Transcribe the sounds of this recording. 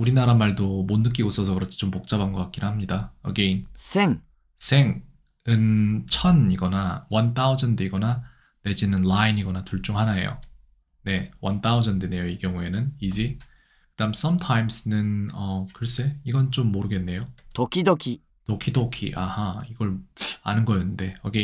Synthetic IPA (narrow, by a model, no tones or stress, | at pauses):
uɾinaɾamaɭdomonːɯk͈iɡos͈ʌsʰʌkɯɾʌt͡ɕʰi̥t͡ɕompok̚t͡ɕ͈abanɡʌk͈ak͈inɯhamɲidaʌ̰ɡe̞insʰeŋ | sʰe̞ŋ | ɯnt͡ɕʰʌniɡʌnawʌnt͈aod͡ʑʌndeiɡʌna | ne̞d͡ʑinɯnlainiɡʌnatuɭt͡ɕ͈uŋɦanaḛjo̰ | ne̞wʌ̰nt͈aod͡ʑʌndene̞joiɡjʌŋue̞nɯnid͡ʑi | kɯdams͈ʌmtʰajmsnɯnʌkɯɾʌs͈e̞iɡʌnt͡ɕomːoɾɯɡe̞nːe̞jotokʰidokʰi | tokʰidokʰḭʔahaiɡʌɭa̰nɯnɡʌjʌnːɯnde̞ʌɡe